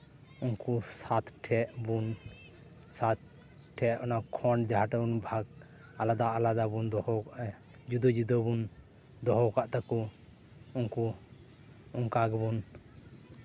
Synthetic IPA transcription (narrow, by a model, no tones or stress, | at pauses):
unkusat̪ʈʰɛʔbun | sat̪̚ | ʈʰɛʔʔɔnakʰɔɳd͡ʒaɦaʈabunbʱaɡ | alad̪aʔalad̪abund̪ɔhɔkaʔɛ | d͡ʒud̪ɔd͡ʒud̪ɔbun | d̪ɔɦɔkaʔt̪aku | unku | uŋkaɡbun